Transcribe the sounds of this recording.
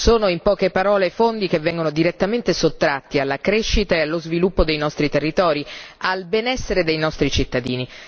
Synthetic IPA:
soːnoimpɔːkepaɾɔːlefond̪ik̟evːɛŋɡonod̪iɾet̪ːament̪esot̪ːɾat̪ːialːakɾeʃːit̪aealːozvilupːod̪ejnɔst̪ɾit̪erːit̪ɔːɾialbenɛsːeɾed̪ejnɔst̪ɾit͡ʃit̪ːad̪iːni

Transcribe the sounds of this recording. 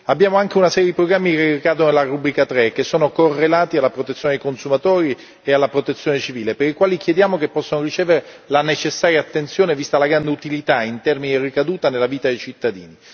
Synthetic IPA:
abːjaːmoaŋk̟eunasɛːɾjed̪ipɾoɡɾamːikerikaːd̪ononelaɾubɾikat̪ɾekːesːoːnokorːelaːt̪ialːapɾot̪et̪sjoːned̪ejkonsumat̪oːɾi | ealːapɾot̪et̪sːjoːnet͡ʃiviːlepeɾikwaːlikjed̪jaːmokepːɔsːonorit͡ʃeːveɾelanet͡ʃesːaːɾjaːt̪ːent̪sjoːnevist̪alaɡɾand̪eut̪ilit̪aint̪ɛrminid̪irikad̪uːt̪anelːaviːt̪ad̪ejt͡ʃit̪ːad̪ḭːni

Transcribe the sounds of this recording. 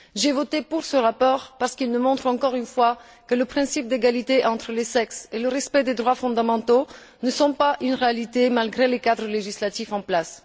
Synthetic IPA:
ʒevɔt̪epuʁsəʁapɔʁpaʁsə̥kilməmɔ̃t̪χɑ̃kɔʁynfwa | kələpχɛ̃sip̚d̪eɡalit̪eʔɑ̃t̪χəlesɛkseləʁɛspɛd̪ed̪ʁwafɔ̃d̪amɑ̃t̪o | nəsɔ̃paʔynʁealit̪emalɡʁelekad̪ʁəleʒislat̪ifɑ̃plas

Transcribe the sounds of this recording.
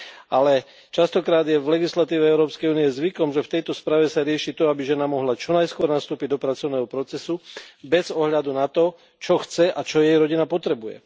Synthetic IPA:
ʔalɛ | t͡ʃast̪ɔkɾaːd̪jɛvlɛɡislat̪iːʋɛɛʊɾɔːpskɛjuːnijɛzʋikɔmʒɛft̪ɛjt̪ɔspɾaːʋɛsaɾɪɛʃit̪ɔabiʒɛnamɔɦlat͡ʃɔnajskʊɔɾnast̪uːpiɟ̚d̪ɔpɾat͡sɔʊnɛːɦɔpɾɔt͡sɛsubɛzɔɦʎad̪unat̪ɔ | t͡ʃɔxt͡sɛʔat͡ʃɔjɛjɾɔɟinapɔt̪ɾɛbujɛ̰

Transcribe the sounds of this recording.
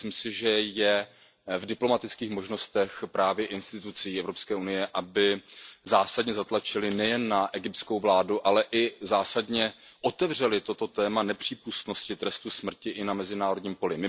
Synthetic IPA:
imsɪʒɛjɛ | vdɪplo̞mat̪ɪt͡skiːxmo̞ʒno̞st̪ɛxpɾaːvjɛʔɪnst̪ɪt̪ut͡sijːɛvɾo̞pskɛːunɪjɛʔabɪzaːsadɲɛzat̪lat͡ʃɪlɪnɛjɛnːaʔɛɡɪp̚t̪t͡skowvlaːduʔalɛʔɪzaːsadɲɛʔo̞t̪ɛvr̝ɛlɪt̪o̞t̪o̞t̪ɛːmanɛpr̝̥iːpust̪no̞scɪt̪ɾɛst̪usmr̩cɪʔɪnamɛzɪnaːɾo̞dɲiːmpo̞lɪmɪ

